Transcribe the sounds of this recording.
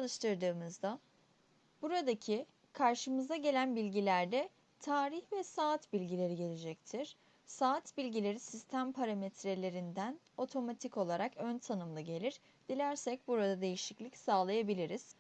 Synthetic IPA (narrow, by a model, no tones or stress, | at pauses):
t͡ʃʰalˠɯʃt̪ʰɯɾd̪ɯːmɯzd̪a | b̥uɾad̪acʰi | kʰaɾʃɯmɯzd̪aɟe̞lʲænbilʲɟilʲæɾd̪ɛ | t̪ʰaːɾiçvɛsaːt̪bilʲɟilʲe̞ɾiɟelʲed͡ʒɛc̚t̪ʰiɾ̥ | saːt̪bilʲɟilʲe̞ɾisist̪ʰæmpʰaɾamet̪ɾe̞lʲe̞ɾind̪æn | o̞t̪ʰo̞mat̪ʰiko̞lˠaɾakønt̪ʰanɯmlˠaɟe̞lʲiɾ | d̪̥ilʲæɾsɛc̚buɾad̪ad̪e̞jiʃiclʲicsaːlˠajabilʲiɾiz̥